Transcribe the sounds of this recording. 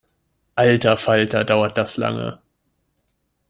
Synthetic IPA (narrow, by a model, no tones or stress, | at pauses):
ʔaltɐfaltɐdaʊɐt̚d̥asla̰ŋə̰